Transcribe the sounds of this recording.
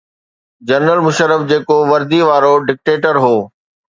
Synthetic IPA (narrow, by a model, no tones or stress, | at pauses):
d͡ʑɐɾnəlmʊʃəɾːəfd͡ʑeːkoʋɐɾd̪iʋaːɾoɖɪk̚ʈeːʈəɾɦoː